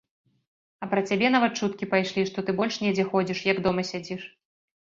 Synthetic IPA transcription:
ɐpɾɐt͡sʲabʲɛnavat̪̚t͡ʂut̪kʲipajʂlʲiʂt̪ɔt̪ɨbɔlʲʂnʲɛd͡zʲɛxɔd͡zʲiʂjɐɡd̪ɔmɐsʲad͡zʲiʂ

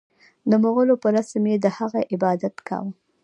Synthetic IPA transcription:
d̪əmoɣəlopəɾasmed̪əhaɣaʔɪbɑd̪at̪kɑ̰wə

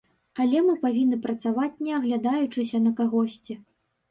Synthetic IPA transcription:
alʲɛmɨpavʲinːɨpɾɐt̪savat͡sʲnʲɛɐɣlʲad̪ajut͡ʂɨsʲɐnɐkaɣɔsʲt͡sʲi

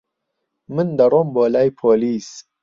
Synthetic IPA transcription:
mɨnd̪ɐɾomboːlajpʰoːlis

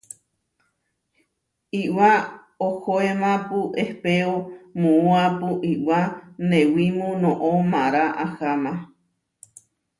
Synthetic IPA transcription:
iwa | ohoemãpuʔehpeomũũapuʔiwanẽwimũnõʔõmãɾaʔahamã

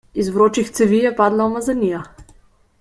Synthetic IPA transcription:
izvɾɔt͡ʃixt̪sɛvijɛpad̪lˠɐmɐzɐnija

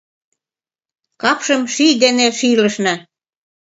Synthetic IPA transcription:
kɑpʃɤ̆mʃijd̪eneʃilə̆ʃnɑ

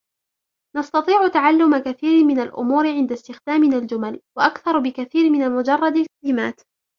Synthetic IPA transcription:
nɑst̪ɑt̪ˤiːʕʊt̪aʕalːʊmakaθiːɾɪmɪnalʔʊ̰muːɾɪʕɪnd̪ast̪ɪxd̪aːmɪnald͡ʒʊmalwaʔakθɑɾˤbɪkaθiːɾmɪnamʊd͡ʒɑrˤːɑd̪alkalɪmaːt̪

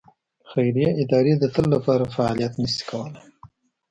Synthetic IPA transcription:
xajɾijaʔɪd̪ɑɾed̪ət̪əlːapɑɾafaɑlijat̪nəsi̥kʰawəla

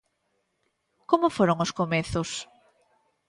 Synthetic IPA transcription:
komofoɾoŋoskomeθʊs

